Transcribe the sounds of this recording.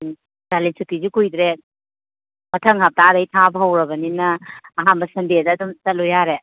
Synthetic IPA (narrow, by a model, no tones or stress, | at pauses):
d͡ʒalensikːizikujd̪ɾe | mɐtʰɐŋɦap̚tadɐjtʰabɐɦɐwɾɐbɐninɐːɦanbɐsɐndedɐːdumsɐt̚lujaɾe